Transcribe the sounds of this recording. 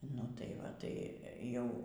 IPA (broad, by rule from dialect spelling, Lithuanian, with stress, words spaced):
ˈnʊ tɐɪ ˈʋɐ tɐɪ ˈjɛʊ